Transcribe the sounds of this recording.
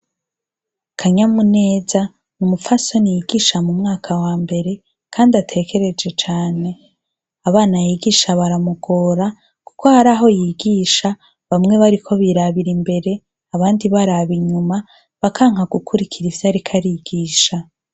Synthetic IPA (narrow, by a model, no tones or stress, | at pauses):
kʰaɲamune̞ːza | numufaso̞nijiɡiːʃamumŋaːkʰawaːmbe̞ɾe̞ | kʰaːndiatʰe̞kʰe̞ɾe̞d͡ʒe̞t͡ʃaːne̞ | aβaːnajiɡiːʃaβaɾamuɡ̥o̞ːɾa | ku̥ko̞haɾaɦo̞jiɡiːʃa | βamŋe̞βaɾikʰo̞βiɾaβiɾimbe̞ɾe̞ | aβaːndiβaɾaβiɲuma | βakʰaːŋ̥haɡukʰuɾikʰiɾivjaɾikʰaɾiɡiːʃa